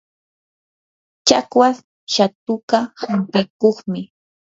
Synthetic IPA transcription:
t͡ʃakwas | ʃat̪ʊkahampɪkoχmɪ

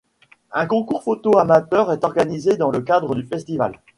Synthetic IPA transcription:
ɛ̃kɔ̃kuʁfot̪oamat̪œʁɛt̪ɔʁɡanized̪ɑ̃ləkad̪ʁəd̪yfɛst̪iva̰l

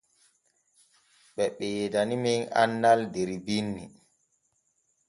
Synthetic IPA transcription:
ɓɛɓɛjedaniminanːaldeɾibinːi

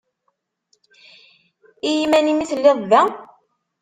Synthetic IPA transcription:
ijimænimiθlːeðˤvæ

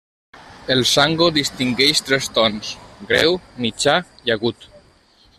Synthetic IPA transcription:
elsaŋɡoðist̪iŋɡɛjʃt̪ɾest̪ɔnsɡɾɛ̰wmit͡ʃaiaɣut̪

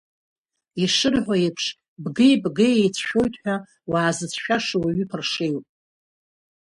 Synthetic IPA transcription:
iʂɨrħʷajepʰʂ | bɡɨjbɡɨjejt͡sʰʃᶣojtʼħʷᶣa | waːzɨt͡sʰʃᶣaʂawaɥʏpʰɨrʂejwpʼ

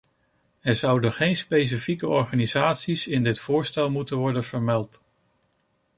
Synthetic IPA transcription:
ɛɹzʌwdəχejnspejs̬ifikəɔɹχaːnizaːtsisɪndɪtfʊːɹstɛlˠmutənʋɔɹdənvəɹmɛlˠt

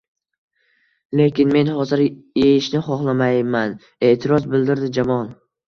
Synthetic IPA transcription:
le̞kʲɪnme̞nhɒzɪɾjejɪʃnɪχɒχlˠamajman | e̞ʔt̪ʰɪɾɒzbɪld̪ɪɾd̪ɪd͡ʒamɒn

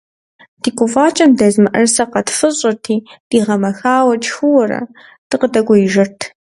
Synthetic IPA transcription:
d̥iːkʷʊfaːt͡ʃʼɐmdɐzmɨʔɐrsɐqɐtfɨɕʼɪrtʰiːd̥iːʁɐmɐxaːwɐt͡ʃʼxɨwɐɾɐ̰ | d̥ɨqədɐɡʷɔjɪʒɐrtʰ

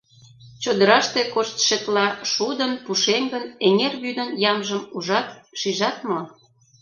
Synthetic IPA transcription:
t͡ɕod̪əɾɑʃt̪ekoʃt̪ʃet̪lɑʃud̪ənpuʃeŋɡəneŋerβyd̪ənjɑmʒəmuʒɑt̪ʃiʒɑt̪mo

